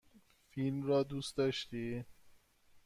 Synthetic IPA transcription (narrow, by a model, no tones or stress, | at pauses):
filmɾɒːd̪uːst̪d̪ɒːʃt̪iː